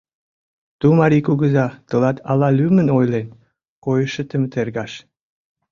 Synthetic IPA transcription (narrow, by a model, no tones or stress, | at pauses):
t̪umɑɾikuɣə̆zɑt̪ə̆lɑt̪ɑlɑlymə̆nojlen | kojəʃĕt̪ə̆mət̪erɡɑʃ